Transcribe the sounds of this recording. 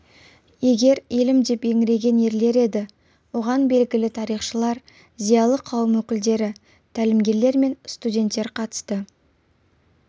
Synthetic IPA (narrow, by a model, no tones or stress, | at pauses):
je̞ɡʲe̞ɾelɪmd̪e̞pe̞ŋɪɾe̞ɡʲe̞ne̞ɾle̞ɾe̞d̪ɪ | wo̞ʁɑnbe̞lɡʲɪlɪt̪ʰɑɾijχʃəlˠɑɾ | zijɑlˠəqʰɑwəmwɵkʲɪld̪e̞ɾɪ | t̪ʰælɪmɡʲe̞ɾle̞ɾme̞nst̪udʲe̞nt̪ːe̞ɾqʰɑt̪ə̥st̪ə